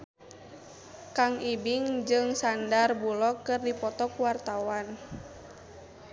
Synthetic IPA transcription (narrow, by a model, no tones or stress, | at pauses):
kaŋibiŋd͡ʒɨŋsandarbulɔkɨrdipɔt̪ɔkuwart̪awan